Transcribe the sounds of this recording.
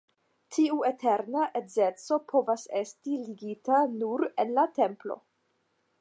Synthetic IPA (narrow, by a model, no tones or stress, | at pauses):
tʰiuetʰeɾnaʔezet͡so̞pʰo̞vasestiliɡitanuɾenlate̞mplo̞̰